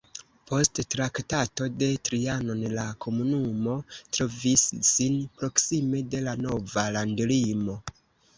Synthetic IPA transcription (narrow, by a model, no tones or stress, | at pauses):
po̞sttɾaktato̞de̞tɾiano̞nlakʰo̞munumo̞tɾo̞visːinpɾo̞ksime̞de̞lano̞valandlimo̞